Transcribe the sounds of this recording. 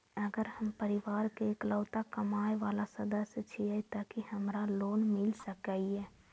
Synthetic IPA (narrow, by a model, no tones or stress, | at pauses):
əɡəɾhəmpəɾiʋaːɾkekləːt̪akəmaːeʋalasəd̪əst͡ʃʰiɛt̪əkihəmɾaloːnmɪlsəkaiɛ